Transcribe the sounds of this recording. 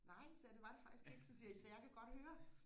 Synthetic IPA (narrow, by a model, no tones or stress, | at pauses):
nɑ̈ɪ̰sed̥e̝ʋɑ̈d̥efɡ̥isɡ̥e̝ɡ̥əsisiːɐsɛjɑ̈ɪkʰæɡ̥ɒ̽d̥høːɐ